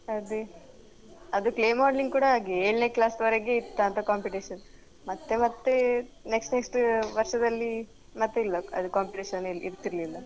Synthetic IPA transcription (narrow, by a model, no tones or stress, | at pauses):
ɐd̪e | ɐd̪ukleːmaːɖliŋɡkuːɽɐaːɡieːɭneːklaːsʋɐɾeɡeit̪ːaːnt̪ɐkaːmpiʈiʃɐn | mɐt̪ːe̞mɐt̪ːe̞ne̞ksʈneksʈʋɐɾʂɐd̪ɐlːi | mɐt̪ːeilːɐɐ̰d̪ukaːmpiʈiʃɐniḭɾt̪iɾlilːɐ